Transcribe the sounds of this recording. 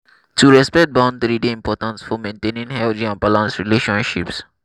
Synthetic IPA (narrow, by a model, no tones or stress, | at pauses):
tuɾɛspɛk̚ʈ̚bãʊ̃nɖt̪ɾiːɖeɪ̃mpɔːʈə̃nsfɔmẽːnʈẽːnĩŋɦɛld͡ʒĩãnbalãnsɾileːʃə̃nʃips